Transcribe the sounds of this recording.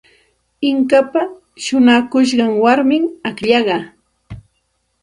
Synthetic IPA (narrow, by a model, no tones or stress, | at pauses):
ɪŋkapa | ʃʊnakʊʃ̬ɢɑŋwaɾmɪŋakʎɑɢɑ